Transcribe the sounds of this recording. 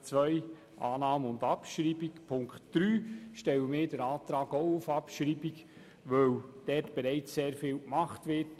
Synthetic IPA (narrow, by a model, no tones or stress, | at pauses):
t͡sʋœʏ | ʔaːnɑːməʊndɑpʃɾiːbikpʰʊŋkχtd̥ɾyːʃtɛləmɪːdəɾaːt̪ɾɑːɡoʊufɑpʃɾiːbik | ʋœwd̥ɛtb̥eɾæɪt͡sseːɾfɪːlkmɑχtʋɪt